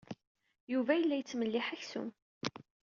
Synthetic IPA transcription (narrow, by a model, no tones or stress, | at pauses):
juvæjəlːæjət͡sːməlːɪħaçsṵm